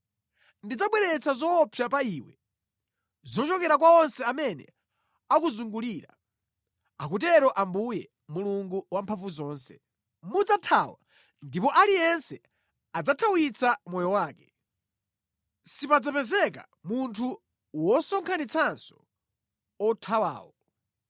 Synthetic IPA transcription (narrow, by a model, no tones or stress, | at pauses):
ndid͡zaɓwɛɾɛt͡sʰazɔːpʰjapaiːwɛ̰ | zɔt͡ʃɔkɛɾak̬waɔnsɛamɛnɛ̰ | akuzuŋɡuliːɾa̰ | akut̬ɛɾɔʔambujɛ | muluŋɡuwampʰaɱvuzɔːnsɛ̰ | mud͡zatʰawa̰ | ndipɔʔalijɛnsɛ | ad͡zatʰawit͡samɔjɔwaːkɛ | sipad͡zapɛzɛka̰ | muntʰu | wɔsɔŋkʰanit͡sʰansɔ̥ | ɔtʰawa̰ːwɔ